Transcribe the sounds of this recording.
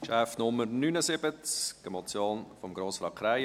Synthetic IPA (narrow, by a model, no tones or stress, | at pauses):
ʃɛfnʊməɾnynəsɪbət͡sɡ̥əmɔt͡sjoːnfɔmɡɾoːsfɾɑkʰɾaɪ